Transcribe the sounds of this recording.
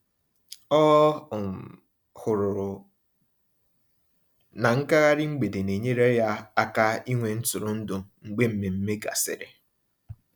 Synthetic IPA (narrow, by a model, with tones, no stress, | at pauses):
ɔ˦˨ | hʊ˨ɾʊ˨ɾʊ˨ | na˨ŋ̩˦ka˦ɣa˦ɾɪ˦ŋ͡m̩˦ɡ͡be˨de˨ne˨ɲe˦ɾɔ˦ja˦a˦ka˦i˦ŋʷe˨n̩˦tʊ˨ɾʊ˨n̩˦dʊ˨ŋ͡m̩˨ɡ͡be˦m̩˦me˨m̩˦me˦ɡa̰˨sɪ̰˨ɾḛ˨